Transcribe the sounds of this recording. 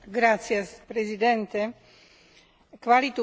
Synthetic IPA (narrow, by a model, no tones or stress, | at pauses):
ɡɾat͡siɛpɾɛzid̪ɛnt̪ɛ | kʋalit̪u